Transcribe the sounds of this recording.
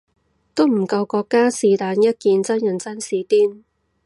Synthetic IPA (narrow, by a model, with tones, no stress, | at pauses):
t̪o˥wm̩˨˩kɐ˧wkɔː˧kːaː˥siː˨˧t̪aː˨˧njɐ˥t̚kiː˨˧nt͡sɐ˥njɐ˨˩nt͡sɐ˥nsiː˨˥t̪iː˥n